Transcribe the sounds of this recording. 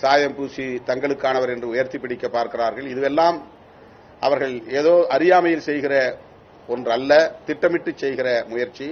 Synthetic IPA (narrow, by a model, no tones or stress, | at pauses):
saːjɐmpuːsit̪ɐŋɡɐɭɯkːaːnɐʋɐɾɛndrɯʊjɐɾt̪ipːɪɽɪkːɐpːaːɾkɪraːɾɣɐɭɪðɯʋɛlːaːm | ʔɐ̰ʋɐɾɣɐɭeːðoːʔɐɾɪjaːmɐjɪlsɛjɣɪrɐ | ɔndrɐlːɐt̪ɪʈːɐmɪʈːɯt͡ʃːɛjɣɪrɐmʊjɐɾt͡ʃːi